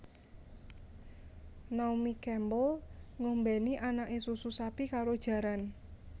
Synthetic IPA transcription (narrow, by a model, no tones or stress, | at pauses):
naumikɛmbɔlŋombɛniʔanaʔesususapikaɾod̥ʒ̥ä̤ɾan